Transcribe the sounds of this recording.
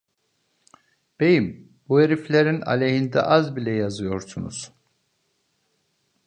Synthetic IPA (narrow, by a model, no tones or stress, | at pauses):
b̥ejim | bueɾiflʲeɾina̰lʲeɦind̪ɛ̰ʔazbilʲɛjazɯjo̞ɾsunṵz̥